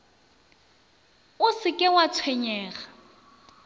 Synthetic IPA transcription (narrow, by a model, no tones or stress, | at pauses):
ʊsɪkʼɪwat͡sʰwɛɲɛːɣa